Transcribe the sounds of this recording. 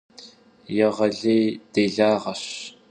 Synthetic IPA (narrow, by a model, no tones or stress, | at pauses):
jɐʁɐɮeːjd̥eːɮaːʁɐɕ